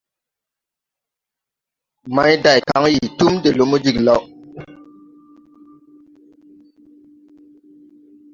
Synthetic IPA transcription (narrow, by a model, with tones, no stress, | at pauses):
ma˦jda˨jka˨˦ŋji˨tu˦mde˨lo˦mu˦d͡ʒi˨kla˦w